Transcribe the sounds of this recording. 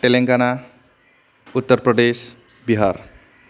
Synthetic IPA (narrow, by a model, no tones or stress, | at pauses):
ʈeleŋɡana | ut̪ːəɾpɾʌd̪es | biɦaɾ